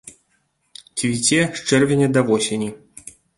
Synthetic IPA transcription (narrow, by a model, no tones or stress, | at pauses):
t͡sʲvʲit͡sʲɛʂt͡ʂɛrvʲenʲɛd̪ɐvɔsʲenʲi